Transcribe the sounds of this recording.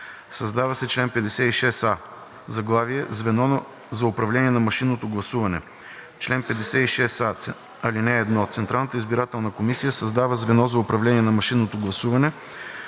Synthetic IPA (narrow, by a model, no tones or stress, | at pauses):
sɐzd̪avɐsɛt͡ʃlɛnpɛd̪ɛsɛt̪iʃɛsa | zɐɡlˠaviɛzvɛnɔ | zɐʊpɾɐvlʲɛniɛnɐmɐʃinːot̪oɡlˠɐsuvɐnɛ̰ | t͡ʃlɛnpɛd̪ɛsɛiʃɛsa | ɐlinɛːd̪nɔt̪sɛnt̪ɾalˠnət̪əizbiɾat̪ɛlˠnəkomisijəsɐzd̪avəzvɛnɔzɐʊpɾɐvlʲɛniɛnɐmɐʃinːot̪oɡlˠɐsuvɐnɛ